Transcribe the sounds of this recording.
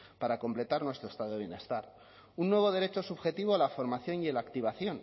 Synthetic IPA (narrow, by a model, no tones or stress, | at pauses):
paɾako̞mple̞t̪aɾnwe̞st̪ɾoest̪aðoiβjene̞st̪aɾ | unːwe̞β̞o̞ð̞e̞ɾet͡ʃo̞suβxe̞t̪iβ̞oalafo̞ɾmaθjo̞nialakt̪iβ̞aθjo̞n